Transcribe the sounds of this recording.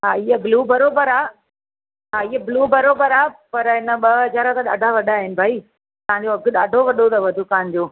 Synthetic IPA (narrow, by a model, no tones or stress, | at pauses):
ɦaːiɦəbluːbɐɾoːbəɾaː | ɦaːɪːəbluːbɐɾoːbəɾaːpɐɾɦɪnə̆ɓɐɦɐzaːɾə̃t̪ãɗa̰ːɖʱaʋɐɗaːɦɪnɪ̆bʱaːi | t̪ɐɦãɲd͡ʑoɐɡɗaːɖʱoʋɐɗot̪ʰɐʋɐd̪ʱukaːnd͡ʑoː